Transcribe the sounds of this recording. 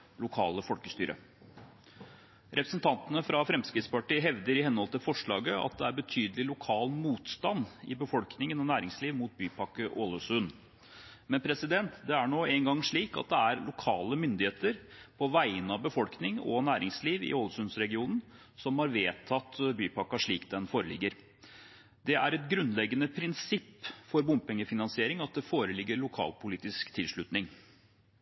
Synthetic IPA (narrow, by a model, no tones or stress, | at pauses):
lʊkʰɑ̰ːləfɔlkəst̪y̰ːɾʔə̰ | ɾʔɛpɾəsn̩t̪ʰɑnt̪ənəfɾɑfɾɛmskɾɪt̪spɑʈiːɦɛʋd̪əɾɪhɛnːhɔlt̪ɪlfɔʂɭɑːɡəɑ̰t̪̚d̪ɛæɾbət̪ʰyːd̪əlɪlʊkʰɑːlmuːt̪st̪ɑnɪbəfɔlknɪŋənɔnæːɾɪŋsliːʋmuːt̪̚byːpʰɑkːəʔoːləsʉn | mɛnpʰɾɛsɪd̪ɛnt̪d̪ɛæɳoːɛŋɡɑŋʂɭiːkɑ̰t̪̚d̪ɛæɾlʊkʰɑːləmʏnd̪ɪheːt̪əɾpʰɔʋæɪənɑʋbəfɔlknɪŋɔ̰næːɾɪŋsliːʋɪ̰oːləsʉnsɾɛɡɪuːnn̩ | sɔmhɑɾʋeːt̪ʰɑt̪ːbyːpɑkːɑʂɭiːkd̪ɛnfoːɾəlɪ̰ɡːəɾ | d̪ɛʔæɾɛt̪ɡɾʉnlɛɡːənəpʰɾɪnsɪpːfɔɾbʊmpɛŋːəfɪnɑnsɪeːɾɪŋɑt̪̚d̪ɛfoːɾəlɪɡːəɾɭʊkʰɑ̰ːlpʰʊliːt̪ɪskt̪ʰɪlʂɭʉt̪nɪŋ